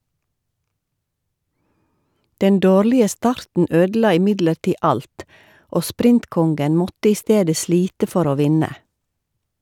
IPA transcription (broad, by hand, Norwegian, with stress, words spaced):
ˈdɛn ˈdoːɾlɪə ˈstɑɾtn̩ ˈøːdl̩ˌɑː ɪˈmɪdləɾˌtiː ˈɑlt ˈʔoː ˈspɾɪntˌkɔŋɡən ˈmɔtə ˈiː ˈsteːdə ˈsliːtə ˈfɔɾ ˈoː ˈʋɪnə